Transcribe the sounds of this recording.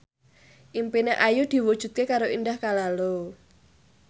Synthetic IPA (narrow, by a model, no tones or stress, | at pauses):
ʔimpineʔajud̪̥i̤wu̥ʒ̥ṳt̪̚kekaɾoindahkalalo